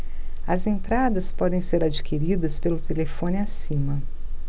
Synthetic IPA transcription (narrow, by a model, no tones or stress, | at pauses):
ɐzẽnt̪ɾad̪ɐspɔd̪ẽj̃seɾad͡ʒikʰiɾid̪ɐspelʊt̪elefõnɪasĩmɐ